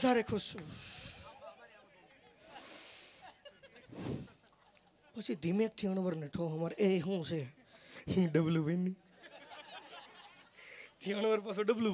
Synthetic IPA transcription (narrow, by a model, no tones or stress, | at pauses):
d̪ʱaɾekʰust͡ʃu | pət͡ʃʰid̪ʱimek̚t̪ʰiəɳ̃ʋəɾneʈʰoɦəmaɾeɦũse | ɖəbljuʋenːi | t̪ʰiəɳ̃ʋəɾpasõɖəblu